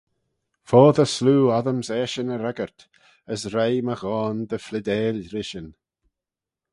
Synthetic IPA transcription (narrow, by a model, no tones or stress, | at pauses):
fɔːðəsluːaðəmzɛːʃənəɾɛɡəɹt̪ | əsɾejməɣɔːnðəflɪd̪ɛːlɾɪʃən